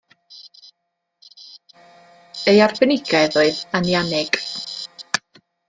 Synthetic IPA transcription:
ejarbɛnɪɡaðoɨðanjanɪɡ̥

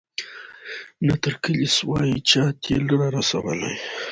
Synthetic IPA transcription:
nat̪əɾkəliswɑjit͡ʃɑt̪ʰeləɾɑɾasa̰wə̰lḛj

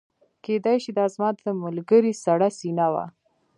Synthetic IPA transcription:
ked̪ajʃid̪əazmɑt̪d̪əmalɡəɾisaɽasinawa̰

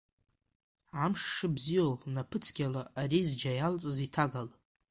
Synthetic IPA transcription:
ʕamʂːɨbzijolnapʰɨt͡sʰɡ̥ʲalaarizd͡ʒajalt͡sʼɨzitʰaɡal

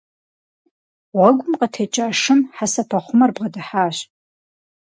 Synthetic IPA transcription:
wɐɡʷʊmqʼɐtʰet͡ʃʼaːʂɨmħasapʰaχʷʊmarbʁɐdaħaːɕ

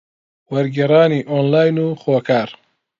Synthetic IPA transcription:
wɐɾɡeɾaːniʔoːnlaːjnuxoːkʰaːɾ

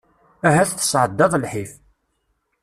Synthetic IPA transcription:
æɦæθθə̥sʕəd̪ːɑðˤlħif

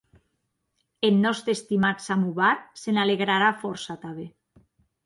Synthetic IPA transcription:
enːɔst̪ɾest̪imat̪samuβaɾsenaleɣɾaɾafɔɾsat̪aβe

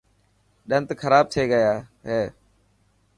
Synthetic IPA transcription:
ɗə̃nt̪kʰəɾaːb̚t̪ʰeːɡəjaːɦeː

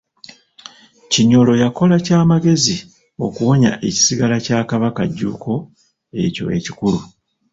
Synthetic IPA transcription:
ciɲolo̞jako̞lacaːmaɡe̞zi | o̞̰kuwo̞ɲa̰ʔe̞ci̥siɡalacaːkaβakaɟːuːkʰo̞ | e̞̰co̞̰e̞̰ci̥kulu

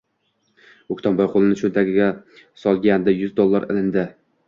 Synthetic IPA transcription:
okʲt̪ʰɒmbɒjqʰolˠɪnɪʃʊnt̪ʰakʲɪɡʲasɒlˠɡʲand̪ajʊzd̪olˠːaɾɪ̰lɪnd̪ɪ

